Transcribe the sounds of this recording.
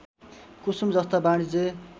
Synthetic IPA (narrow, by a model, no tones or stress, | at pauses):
kusumd͡zʌst̪abaɽ̃id͡ze